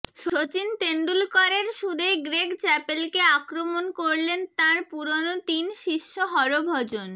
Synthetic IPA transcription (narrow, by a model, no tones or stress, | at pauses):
ʃot͡ɕint̪eɳɖulkaɾeɾʃud̪ʱeɡɾeɡt͡ɕɛpelkeakɾomonkoɾlent̪ãɾpuɾonot̪inʃiʃːoɦɔɾobʱɔd͡ʑon